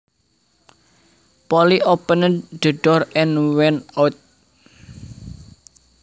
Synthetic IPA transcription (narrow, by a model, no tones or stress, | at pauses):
pɔliʔɔpənəɖ̥ə̤ɖɔɾɛnwɛnat̪̚